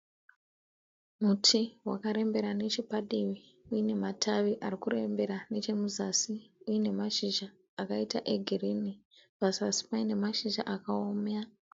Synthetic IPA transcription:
mutʰiɦwa̰kaɾe̞mbe̞ɾane̞t͡ʃipaɗiwi | ujine̞matʰaʋiʔarikurembe̞ɾane̞t͡ʃe̞muzasiujine̞maʃiʒaː | kaitaʔe̞ɡʱirini | pasasi̥paine̞maʃiʒa̰ʔakaoːmja

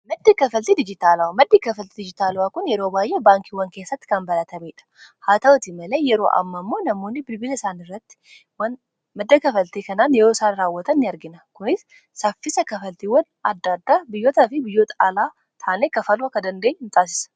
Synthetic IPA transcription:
mɐd̪ːikɐfɐlt̪iːd̪ɪd͡ʒɪt̪aːlɐwamɐd̪ːiːkɐfɐlt̪id̪ɪd͡ʒɪt̪aːlwaːkʊnjɛɾoːbaːjʔebaːŋkiwɐŋke̞ːsːɐt̪ːɪ̥kɐnbɐlɐt̪ʰɐmiːᶑɐ̥haːt̪ɐwɔt̪imɐle̞ːjɛɾo̰ːʔɐ̰mːɐmːo̞ːnɐmo̞ːnːɪbɪlbɪlɪsaːnɪrːɐt̪ːɪ̥ | wɐn | mɐd̪ːɐkɐfɐlt̪eːkɐnaːnjɛɾo̞ːsaːnɾaːwːɐt̪ɐnːɪɐɾɡɪnɐkʊnɪs | sɐfːɪsɐkɐfɐlt̪iwɐn | ɐd̪ːaːd̪ːaːbɪjːoːt̪ɐfɪbɪjːoːt̪ɐalaː | t̪ʰaːneːkɐfɐlʊwaːkɐd̪ɐnd̪e̞ːɲːhɪnt̪ʼaːs̬ɪ̥sɐ̥

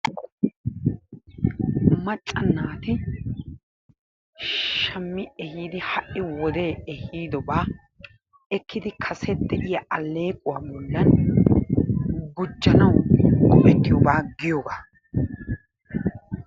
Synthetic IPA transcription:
mɐt͡ʃʼːɐnːaːt̪ɪ | ʃɐmːɪɛhiːd̪ɪhɐʔːɪwɔd̪eːɛhiːd̪ɔbaː | ɛkːɪd̪ɪkʰɐsɛd̪ɛʔɪjɐʔɐlːe̞ːkʼʊwaːbɔlːɐn | ɡʊd͡ʒːɐnɐwkʼɔʔɛt̪ːɪjɔbaːɡɪjoːɡaː

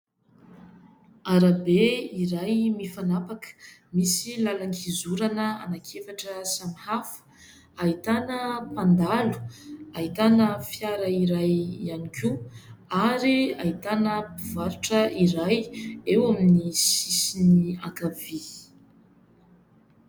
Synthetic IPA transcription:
aɾabeiɾajmifanapakə̥misilalaŋkizuɾanəa̰nakʰefaʈ͡ʂəsamihafə̥ | ait̪anəpand̪alu̥ait̪anəfjaɾəiɾajianikʲuaɾiait̪anəpivaɾiʈ͡ʂəiɾajewaminisisinia̰ŋkavi

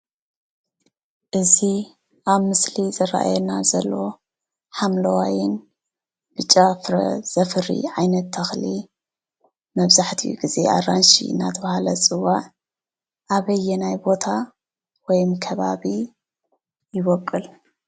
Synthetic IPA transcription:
ʔɨzi | ʔaβmɨslizɐra̰ʔa̰jɛnazɐlːo̞ | ħamlɐwajɪn | b̥ɨt͡ʃʼːafɾɐ̰z̥ɐfɨɾḭʕajnɐt̪ʰːɐxli | mɐβzaħt̪ʰijṵɡize̞̰ʔa̰ranʃḭna̰t̪ʰɐβahalɐt͡sʼɨwaʕ | ʔaβɐjːɛnajbo̞t̪ʰa | wɔjmkʰɐβaβi | jɪβɔkʼːɨl

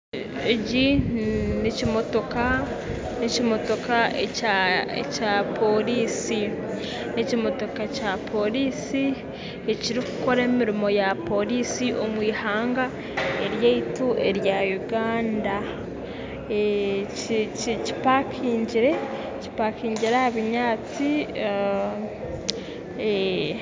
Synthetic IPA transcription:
eɟi | nicimo̞to̞ka | nicimo̞to̞kaeaḛcaːpʰo̞ɾiːsi | nicimo̞to̞kacapʰo̞ɾiːsi | eciɾiku̥ko̞ɾe̞ːmiɾimo̞japo̞ɾisiʔo̞mwiːhaːŋɡa | e̞ɾjeituʔe̞ɾjajuɡaːnda | e | cci̥pakʰiːɲɟiɾe̞ | ci̥pakiːɲɟiɾahaβiɲaːt͡si

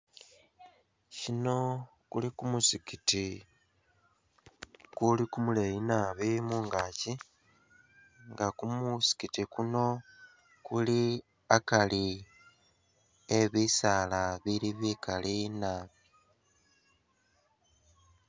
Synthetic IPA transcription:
cino̞ | kulikumusikiti | kulikumulejinaβimuŋɡaci | ŋɡakumusi̥kitikuno̞ | kuli | akali | eβisaːlaβiliβikalinaβi

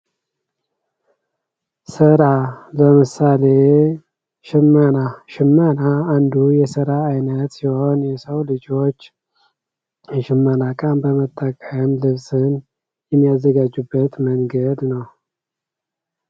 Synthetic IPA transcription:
səɾaləmɨsale | ʃɪmːənaʃɪmːənaːnd̪ujɛsɨɾaːjnət̪jiho̞njɛsəwlɨd͡ʒo̞t͡ʃː | ʃɪmːənakʼənbəmət̪ʼːəkʼəmlɨβsɨn | jɛmːijazːəɡad͡ʒːubːət̪məŋɡəd̪nəw

